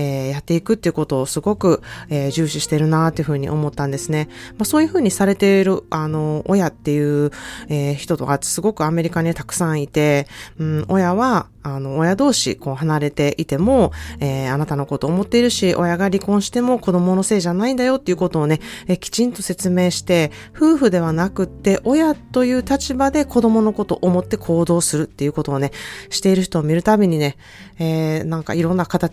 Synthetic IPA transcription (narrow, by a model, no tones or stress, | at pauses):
eːjat̪ːe̞ikɯ̟t̪ːeiɯ̟ko̞t̪o̞ːsɨɡo̞kɯ̟eːʑɨːɕiɕi̥t̪e̞ɾɯ̟nat̪ːeiɯ̟ɯ̟ːɲ̟ḭʔo̞̰mo̞t̪ːãnd̪e̞sɨne̞maso̞ːjɯ̟ɸɯ̟ːɲ̟isaɾe̞t̪e̞ɾɯ̟ano̞ʔojat̪ːe̞jɯ̟ːeːçi̥t̪o̞t̪o̞kḁsɨɡo̞kɯ̟ame̞ɾʲikaɲ̟it̪akɯ̟̥sãɰ̃it̪e̞ɯ̟̃o̞jaβaː | no̞ːjad̪o̞ːɕḭko̞ːɦanaɾe̞t̪e̞ʔit̪e̞mo̞eːanat̪ano̞ko̞t̪o̞ːmo̞t̪ːe̞iɾɯ̟ɕiʔo̞jaɡaɾʲikõ̞ɰ̃ɕi̥t̪e̞mo̞ko̞d̪o̞mo̞no̞se̞ːʑanaĩnd̪ajo̞t̪ːe̞iɯ̟ko̞t̪o̞ːne̞ekʲi̥t͡ɕĩnt̪o̞se̞t͡sɨme̞ːɕi̥t̪e̞ | ɸɯ̟ːɸɯ̟d̪e̞β̞anakɯ̟t̪ːe̞ʔo̞jat̪o̞jɯ̟ːt̪at͡ɕibad̪e̞ko̞d̪o̞mo̞no̞ko̞t̪o̞ʔomo̞t̪ːe̞kʰo̞ːd̪o̞ːsɨɾɯ̟t̪ːe̞jɯ̟ko̞t̪o̞ːne̞ɕi̥t̪e̞iɾɯ̟ç̬i̥t̪o̞ːmʲiɾɯ̟t̪abʲeɲ̟ine̞ | eːnãŋka̰iɾõ̞nːakat̪a